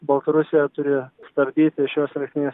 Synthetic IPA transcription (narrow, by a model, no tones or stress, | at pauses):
bɐlˠt̪ɐɾʊsʲɪjɛt̪ʊɾʲɪst̪ɐɾʲd̪ʲiːt̪ʲɪʃʲoːsɾʲɐsʲɪnʲeːs